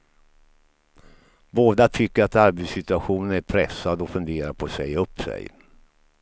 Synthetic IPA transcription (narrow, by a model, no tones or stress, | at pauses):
boːd̪at̪ʰʏkːəɾat̪aɾbɛd̪sɪt̪ɵaɧuːnənæɾpʰɾɛsːad̪ɔfɵnd̪eːɾaɾpʰɔsɛjɵpːsɛ̰j